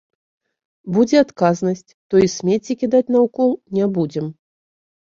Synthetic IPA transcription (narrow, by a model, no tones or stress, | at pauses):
bud͡zʲɛat̪kaznɐsʲt͡sʲt̪ɔisʲmʲet͡sʲikʲid̪at͡sʲn̪ɐukɔlˠnʲɛbud͡zʲɛm